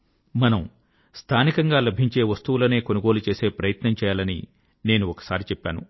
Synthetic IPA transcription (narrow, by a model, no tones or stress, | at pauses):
mɐnɐm | st̪ʰaːnikɐŋɡaːlɐbʱiɲt͡ʃe̞ːʋɐst̪uʋulɐne̞ːkonuɡo̞ːlut͡ʃe̞ːse̞ːpɾɐjɐt̪nɐmt͡ʃɛːjaːlɐnḭ | ne̞ːnuɔkɐ̥saːɾit͡ʃɛpːa̰ːnu